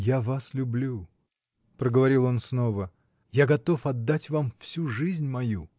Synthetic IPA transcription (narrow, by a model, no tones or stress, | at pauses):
javaslʲʊblʲu | pɾəɡəvɐɾʲilˠo̞nsno̞və | jaɡɐt̪o̞fɐd̪ːatʲvamfsʲuʐɨzʲnʲmɐju